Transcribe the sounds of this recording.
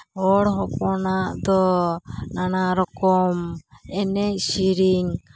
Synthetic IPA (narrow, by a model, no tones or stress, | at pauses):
ɔɽɦɔpɔnaʔd̪ɔ | nanaɾɔkɔmɛnɛc̚siɾiŋ